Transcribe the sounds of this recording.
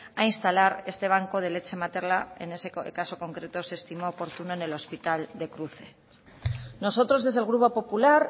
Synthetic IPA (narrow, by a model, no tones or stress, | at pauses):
ainst̪alaɾe̞st̪e̞β̞aŋko̞ð̞e̞le̞t͡ʃe̞mat̪e̞ɾlaḛne̞sekaso̞ko̞ŋkɾe̞t̪o̞seːst̪imo̞ːpo̞ɾt̪uno̞ene̞lo̞spit̪ald̪e̞kɾuθe̞ | no̞so̞t̪ɾo̞zðe̞zðelɣ̞ɾupo̞po̞pulaɾ